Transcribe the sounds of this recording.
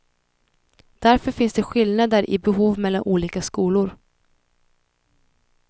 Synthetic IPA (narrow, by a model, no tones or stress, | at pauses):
d̪̥æɾfœɾfɪnsd̪ɛɧɪlnad̪əɾʔɪ̰bɛɦuːvmɛlːanʔuːliːkaskuːlʊɾ